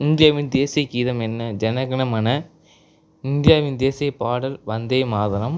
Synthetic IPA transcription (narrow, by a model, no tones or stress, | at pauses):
ɪnd̪ɪjaːʋɪnd̪eːsiɐkːiːðɐmɛnːɐd͡ʒɛnɐɣɐnɐmɐnɐ | ɪnd̪ɪjaːʋɪnd̪eːsijɐpaːɽɐlʋɐnd̪ɐɪmaːðɐnɐm